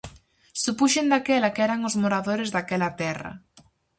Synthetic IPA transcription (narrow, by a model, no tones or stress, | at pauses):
supuʃend̪akɛlɐkɛɾaŋʊzmoɾaðoɾɪzðakɛlɐt̪ɛrɐ̰